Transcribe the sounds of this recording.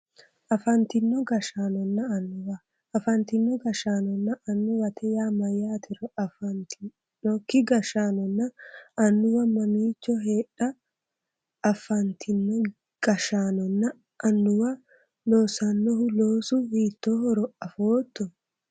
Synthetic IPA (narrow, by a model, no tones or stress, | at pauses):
ʔɐfɐnt̪ɪnːɔɡɐʃaːnɔnːɐɐnːʊwɐː | fɐnt̪ɪnːɔɡɐʃaːnɔnːɐʔɐnːʊwɐt̪ʰɛjaːmɐjaːt̪ʰɪɾɔʔɐft̪ː | ɔkːɪɡɐʃaːnɔnːɐːnːʊwɐmɐmiːt͡ʃːɔɦeːᶑɐ | fɐnt̪ʰɪnːɔ | ɡ̥ɐʃaːnɔnːɐː | nːʊwɐ | noːsɐnːɔhʊloːsʊhiːt̪ːohɔɾɔɐfoːt̪ːɔ